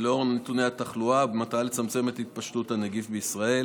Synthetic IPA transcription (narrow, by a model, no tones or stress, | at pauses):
lo̞ʁnetune̞jhataχluabemat̪alet͡samt͡se̞me̞t̪hit̪̚paʃtuthanaɡifbeisʁae̞l